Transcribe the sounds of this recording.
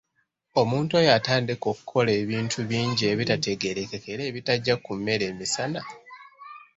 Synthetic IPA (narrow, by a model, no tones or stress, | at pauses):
o̞muːntuojataːndiko̞ku̥kʰo̞le̞ːβiːntʰuβiːɲɟie̞βitate̞ɡe̞ɾe̞ke̞ke̞ɾe̞ːβitaɟːakumːe̞ɾe̞ːmisana